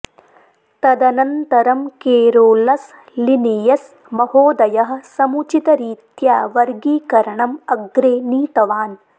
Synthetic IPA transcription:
t̪ɐd̪ɐnɐnt̪ɐɾɐmkeːɾoːlɐs | lineːjɐs | mɐhoːd̪ɐjɐɦɐ̆sɐmut͡ʃit̪ɐɾiːt̪jaːʋɐɾɡiːkɐɾɐɳɐmɐɡɾeːniːt̪ɐʋaːn

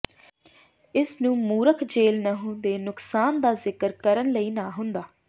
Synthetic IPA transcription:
ɪsnũːmuːɾəkʰd͡ʒeːlnəɦũːnd̪eːnʊksaːnd̪aːzɪkəɾkəɾənləiːnaːɦʊnd̪aː

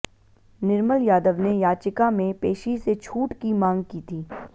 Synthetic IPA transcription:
nɪɾməljaːd̪əʋnejaːt͡ʃɪkamẽpeːʃiset͡ʃʰuːʈkimãːŋɡ̚kiːt̪ʰiː

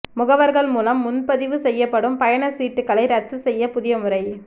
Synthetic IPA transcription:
mʊɣɐʋɐɾɣɐɭmuːlɐmːʊnpɐðɪʋɯsɛjːɐpːɐɽɯmpɐjɐɳɐsiːʈːɯkːɐɭɐɪɾɐt̪ːɯsɛjːɐpʊðɪjɐmʊrɐɪ

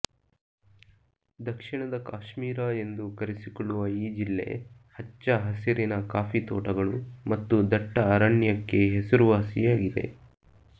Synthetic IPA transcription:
d̪ɐkʂiɳɐd̪ɐkaːʃmiːɾae̞nd̪ukɐɾesikɔɭːuʋɐiːd͡ʒilːe̞̰ | hɐt͡ʃːɐɦɐsiɾinɐkaːfit̪ɔːʈɐɡɐɭumɐt̪ːud̪ɐʈːɐːɾaɳjɐkːe̞ɦesɐɾuʋaːsijaːɡid̪e̞̰

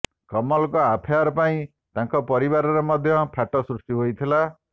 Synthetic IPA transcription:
kɔmɔlɔkɔapʰeaɾɔpaĩ | t̪ãŋkɔpɔɾiβaɾɔɾemɔd̪ʱjɔpʰaʈɔsɾust̪iɦojt̪ʰila

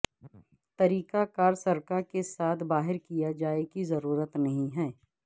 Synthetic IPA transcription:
t̪ɐɾiːkakaːɾsɐɾkaɾkesaːt̪ʰbaːɦɪɾkijad͡ʒaːekizɐɾuːɾət̪nɐɦĩɦɛː

